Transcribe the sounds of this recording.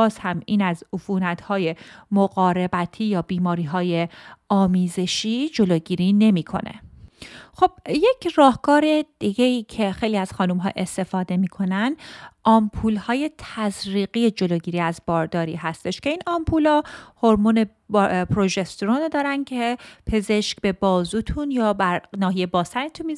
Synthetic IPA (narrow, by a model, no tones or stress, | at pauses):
bɒːzhæmiːnæzofuːnæt̪hɒːje̞moɣɒːɾe̞bæt̪ʰiːjɒːbiːmɒːɾiːɦɒːje̞ɒːmiːze̞ʃiːd͡ʒo̞loːɟiːɾiːne̞miːkʰo̞̰nḛ | xo̞b̥̚jecʰrɒːhɡɒːɾe̞d̪̥iɟe̞iːcʰe̞xe̞jliːæz̥xɒːnuːmɦɒ̰ːʔe̞st̪e̞fɒːd̪e̞miːkʰo̞nænd̪ʔɒːmpʰuːlhɒːje̞t̪ʰæzɾiːɣijed͡ʒo̞loɟiːɾiːæzbɒːɾd̪ɒːɾḭːɦæst̪e̞ʃcʰe̞iːnɒːmpʰuːlɒːhoɾmune | pʰɾoʒest̪oɾonod̪ɒːɾæncʰe̞pʰe̞ze̞ʃcbe̞bɒːzuːt̪ʰunjɒːbæɾnɒːhɦijebɒːsænit̪ʰunmiz